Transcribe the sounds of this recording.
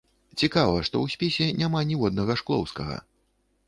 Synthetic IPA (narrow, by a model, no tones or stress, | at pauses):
t͡sʲikavɐʂt̪ɔ̰wsʲpʲɛsʲɛnʲamanʲivɔd̪nɐɣɐʂklˠɔ̰wskɐɣɐ̰